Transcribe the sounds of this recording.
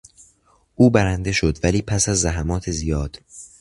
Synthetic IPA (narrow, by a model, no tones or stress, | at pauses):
ʔuːbæɾænd̪e̞ʃo̞d̪væliːpʰæsæzːæɦæmɒːt̪ʰezijɒːd̪̥